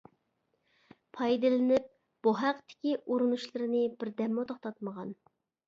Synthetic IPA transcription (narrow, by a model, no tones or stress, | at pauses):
pʰɑjd̪ɨlɪnɪp̚ | b̥uɦæqt̪ɪ̥kʲiʔuɾunuʃlˠɨɾɨnɨbɪɾd̪ɛmːot̪ʰoχt̪ʰɑt̪məʁɑn